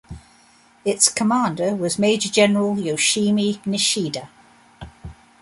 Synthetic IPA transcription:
ɪtskʰəmɑ̃ːˑndəwɒzmeɪd͡ʒəd͡ʒɛnəɹəlˠjoʊʃiːminɪʃiːdə

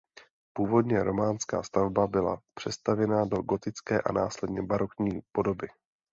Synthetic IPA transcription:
puːvo̞dɲɛɾʔo̞maːnska̰ːst̪avbabɪla̰pr̝̥ɛst̪avjɛnado̞ɡo̞t̪ɪt͡skɛːʔa̰naːslɛdɲɛbaɾo̞kɲiːpo̞do̞bɪ

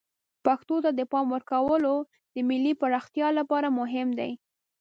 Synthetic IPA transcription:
paxt̪ot̪ad̪əpɑmwəɾkawəlo | d̪əmɪlːipəɾɑxt̪jɑlapɑɾamʊɦɪmd̪a̰j

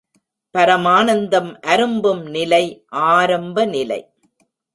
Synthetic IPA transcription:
pɐɾɐmaːnɐnd̪ɐmʔɐɾɯmbɯmnɪlɐɪʔaːɾɐmbɐnɪlɐ̰ɪ

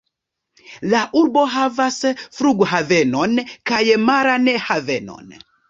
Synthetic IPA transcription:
laʔuɾbɔɦavasɛfɾuɡuɦaðɛnɔnkajɛmaɾanɛhaðɛnɔ̰n

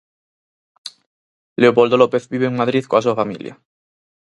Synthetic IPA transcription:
le̞opold̪o̞lopeθbiβeːŋmaðɾiðkoas̬uafamḭlja̰

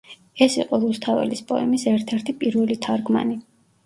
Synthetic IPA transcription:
ɛsiqʼɔɾust̪ʰavɛ̰lispʼɔ̰ɛ̰misɛɾt̪ʰɛɾt̪ʰipʼiɾvɛlit̪ʰaɾɡma̰ni

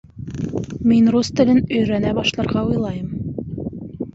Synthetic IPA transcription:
minrust̪ɘ̆lɘnɵ̆jɾænæbɑʃlˠɑ̆ɾʁɑujlˠɑjɤm

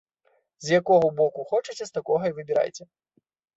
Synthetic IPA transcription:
zjakɔɣɐbɔkuxɔt͡ʂɐt͡sʲɛst̪akɔɣɐivɨbʲɪɾa̰jt͡sʲɛ

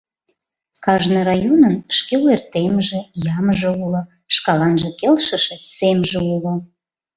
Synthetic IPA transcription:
kɑʒnəɾɑjonənʃkelwert̪emʒĕjɑmʒeulo | ʃkɑlɑnʒəkelʃəʃesemʒeulŏ

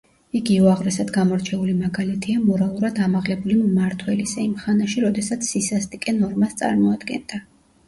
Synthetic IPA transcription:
iɡiuaʁɾɛsad̪ɡamɔɾt͡ʃʰɛulimaɡalɛt̪ʰiamɔɾalˠuɾad̪amaʁlɛbulimmaɾt̪ʰwɛlisaimχanaʃiɾɔd̪ɛsat̪sʰːisast̪ʼikʼɛnɔɾmast̪sʼa̰ɾmɔad̪ɡɛ̰nd̪a

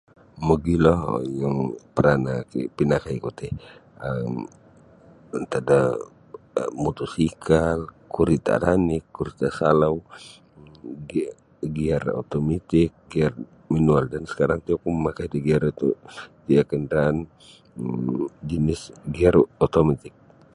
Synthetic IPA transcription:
məɡilɔhjaŋpəɾanakipinakaikut̪ɛəm | nt̪ada | mut̪usikʰalkuɾit̪a̰ɾanɪkːuɾit̪asalaw | ɡiaro̰t̪omit̪ɪk̚ɡiar | manualdansə̥kaɾaŋt̪uakuməmakajd̪iɡiaɾt̪diakəndɾaːn | d͡ʒinɪsɡiarot̪omat̪ɪk̚

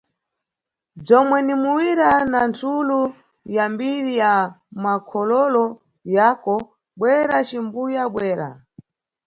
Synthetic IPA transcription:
b͡ʐɔmwɛnimuwiɾanantʰulu | jambiɾijamakʰɔlɔlɔ | jakɔ | ɓwɛɾat͡ʃimbujaɓwɛːɾa̰

